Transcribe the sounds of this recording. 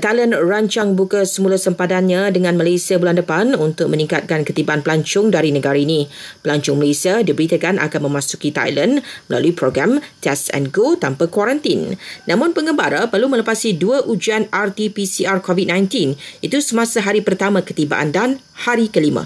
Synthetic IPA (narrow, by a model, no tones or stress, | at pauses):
t̪ajlənraɲt͡ʃaŋbukasəmulasəmpad̪anɲãdəŋãnməlasiabulandəpanunt̪ʊk̚mə̃nĩŋkat̪̚kankət̪ibaʔanpəlaɲt͡ʃʊŋdaɾinə̃ɡaɾainĩpəlaɲt͡ʃʊŋməlesiadibəɾit̪əkanʔa̰kanmə̃mãsu̥kit̪a̰jlənməla̰luipɾoɡɾamt̪ɛsɛ̰nɡot̪ampakwaɾant̪inːãmʊ̃npəŋəmbaɾapərlumə̃ləpasiduaʔud͡ʒianart̪ipisiarkɔvit̪̚nãjnt̪init̪usəmãsaɦaɾipərt̪amãkə̥t̪iba̰ʔa̰ndan | haɾikəlimã̰